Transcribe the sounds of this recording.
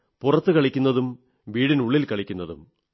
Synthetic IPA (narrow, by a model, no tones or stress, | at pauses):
purɐt̪ːɨkɐɭikʲːunːɐðum | ʋiːɽinuɭːilkɐɭikʲːunːɐðṵm